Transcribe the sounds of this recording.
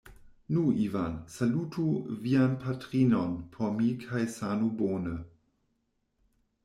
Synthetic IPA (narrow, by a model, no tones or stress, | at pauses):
nuiva̰nsalutʰuvianpʰatɾinonpʰomikʰajsanuboːnə